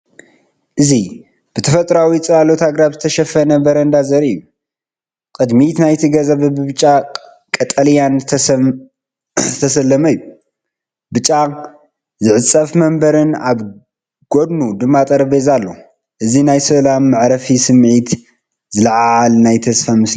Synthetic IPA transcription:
ʔɨzi | b̥ɨt̪ʰɐfɐt̪ʼɾawit͡sʼɨalot̪ʰaɡɾabzɨt̪ʰɐʃɐfɐnɐbɐɾɐnd̪azɐɾɨjːu | kʼɨd̪mit̪najt̪ʰiɡɐzɐβɐbɨbɨt͡ʃʼːa | kʼɐt̪ʼɐljan | zɨt̪ʰɐsɐlːɐmɐjːu | bɨt͡ʃʼːa | zɨʕɨt͡sʼɐfmɐmbɐɾɨnaβ | ɡ̥od̪nud̪ɨmːat̪ʼɐɾɐβezalːo̞̰ | ʔɨzinajsɐlamːɨʕɾɐfisɨmʕit̪ | zɨlɐʕʕalnajt̪ʰɐsfamɨs

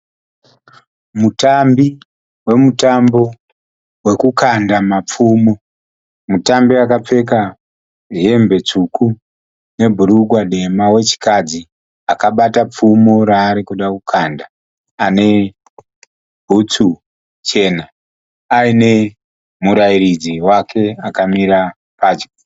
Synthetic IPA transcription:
mutambi | we̞mutambo̞ | we̞kukandamap͡fuːmo̞ | mutambiakap͡fe̞ka | ɦembe̞t͡ʂuku | ne̞bʱuɾuɡʱwaɗe̞mawe̞t͡ʃi̥kad͡zi | akaɓatap͡fumo̞ɾaːɾikuɗakukʰanda | ane̞ | bʱut͡su | t͡ʃe̞ːna | aine̞ | muɾaiɾid͡ziwakʰe̞akamiɾa | paːt͡ʃo̥

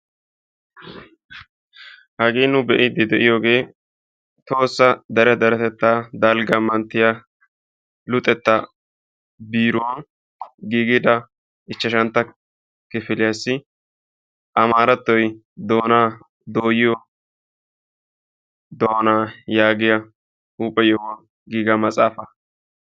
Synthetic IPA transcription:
hɐɡeːnʊbɛʔɪd̪ɪd̪ɛʔɪjo̞ːɡe̞ː | t̪o̞ːsːɐd̪ɐɾɛd̪ɐɾɛt̪ɛt̪ːaːd̪ɐlɡɐmɐnt̪ːɪja | lʊt̪ʼːɛt̪ːɐ | biːɾʊwɐn | ɡiːɡɪd̪ɐ | ɪt͡ʃːɐʃɐnt̪ːɐ | kɪfɪlɪjɐsːɪ | ʔɐmaːɾɐt̪ːɔj | d̪o̞ːnaː | d̪o̞ːjɪjɔ | d̪oːnaːjaːɡɪjɐ | uːpʼːɛjɔwɐ | ɡiːɡɐmɐt͡sʼaːfɐ

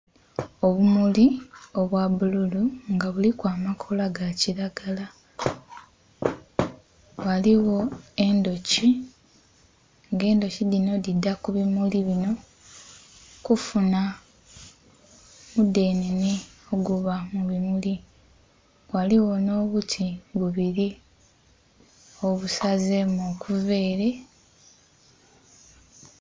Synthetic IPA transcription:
o̞βumulio̞βwaβululuŋɡaβulikwaːmakʰo̞laɡaciɾaɡala | waliwo̞e̞ndo̞ci | ŋɡe̞ːndo̞ciðino̞didːakuβimuliβino̞ | kufuna | mude̞ːnenioɡuβamuβimuli | waliwo̞no̞ːβutʰiβuβiɾi | o̞βusazemokuve̞ːɾe̞

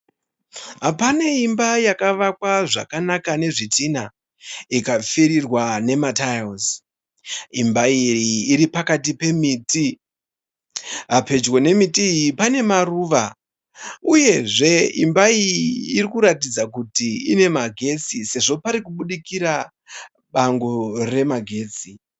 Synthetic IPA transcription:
ɦapane̞imbajakaʋak̚waʐa̰kanakane̞ʐitina | ikafiɾirwane̞matajos | imbaiiːɾipakatipe̞miːti | ɦape̞d͡ʒwo̞ne̞mitipane̞maruʋa | uje̞ʐe̞imbaiiirikuɾatid͡zakutiine̞maɡʱe̞t͡sise̞ʐo̞paɾikuɓuɗikiɾa | ɓaŋɡore̞maɡʱe̞ːt͡si

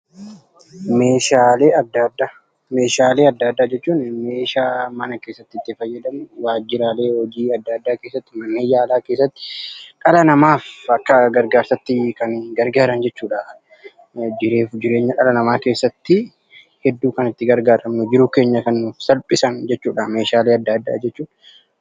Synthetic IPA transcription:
meːʃaːleːɐd̪ːad̪ːa | me̞ːʃaːleːɐd̪ːaːd̪ːaːd͡ʒɛt͡ʃːuːnme̞ːʃaːmɐnɐke̞ːsːɐt̪ːɪt̪ːɪfɐjːɐd̪ɐmʊwaːd͡ʒːɪɾaːle̞ːhɔd͡ʒiːɐd̪ːɐːd̪ːaːkeːsːɐt̪ːɪmɐnːeːjaːlaːkeːsːɐt̪ːɪ̥ᶑʼɐlɐnɐmaːfɐkːɐɡɐɾɡaːɾsɐt̪ːɪkɐnɡɐɾɡaːɾɐnd͡ʒɛt͡ʃːuːᶑa | d͡ʒɪɾe̞ːfd͡ʒɪɾe̞ːɲːɐʔɐlɐnɐmaːke̞ːsːɐt̪ːɪ | hɛd̪ːuːkɐnɪt̪ːɪɡɐɾɡaːɾɐmnʊd͡ʒɪɾʊke̞ːɲːɐkɐnːʊfsɐlpʼɪsɐnd͡ʒɛt͡ʃːuːᶑameːʃaːleːɐd̪ːaːd̪ːa̰ːd͡ʒɛt͡ʃːuːn

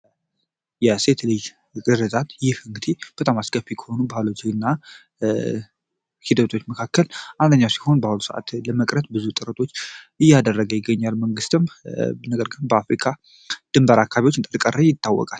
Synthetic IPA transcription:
jɛse̞t̪lɨj | ɡʼɨɾɨzʼat̪jɪhɨŋɡɨd̪ib̥ət̪ʼamaskəfːikʰə̥ho̞nubaalot͡ʃːnːa | hid̪ət̪ʰo̞t͡ʃːməkʰakːəlʔand̪əɲːawsi̥ho̞nbahulusəʔa̰t̪ləməkʼɾət̪̚bɨzut̪ʼɨɾət̪ʼʰo̞t͡ʃː | ɨjːad̪ərːəɡəjɪɡːəɲːalməŋɡɨst̪ɨmnəɡəɾɡɨnbəafɾikʰa | d̪̥ɨmbəɾakʰːaβiwot͡ʃːɨnt̪ʼəɾkʼərːəjɪt̪ːawːɔ̰kʼal

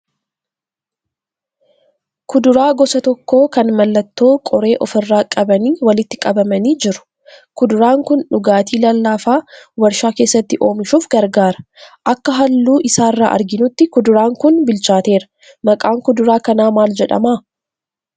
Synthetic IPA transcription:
kʊd̪ʊɾaːɡɔsɐt̪ɔkːo̞ːkɐnmɐlːɐt̪ːo̞ːkʼɔɾe̞ːʔɔfɪrːaːkʼɐbɐniːwɐlɪt̪ːɪkʼɐbɐmɐniːd͡ʒɪɾʊ̥ | kʊd̪ʊɾaːŋkʊnᶑʊɡaːt̪iːlɐlːaːfaːwɐɾʃaːke̞ːsːɐt̪ːɪʔo̞ːmɪʃuːfɡɐɾɡaːɾɐ̥ʔɐkːɐɦɐlːuːʔɪsaːrːaːʔɐ̰ɾɡɪnʊt̪ːɪkʊd̪ʊɾaːŋkʊnbɪlt͡ʃaːt̪e̞ːɾɐ̥ | mɐkʼaːŋkʊd̪ʊɾaːkɐnaːmaːld͡ʒɛᶑɐ̰maː

